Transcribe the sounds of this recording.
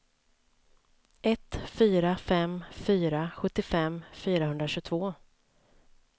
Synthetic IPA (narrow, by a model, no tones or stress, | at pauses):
ʔɛt̪fyːɾafɛmfyːɾaɧɵt̪ːɪfɛmfyːɾahɵnd̪ɾaɕɵːt̪ʰvoː